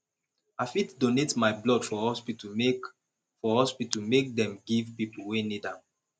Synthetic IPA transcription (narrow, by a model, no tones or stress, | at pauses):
afitdonetmaɪblɔd̥fɔhɔspit | fɔhɔspitumek̚dɛ̃mɡivpipl̩wenidãm